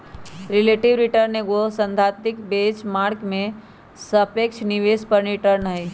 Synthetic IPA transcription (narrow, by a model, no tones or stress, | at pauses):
ɾɪleːʈɪʋɾɪʈəɾnẽɡosə̃nt̪ʰaːt̪mɪkbeːt͡ʃmaːɾkmẽ | səpeːkʃniʋeːspəɾniʈəɾnəɦi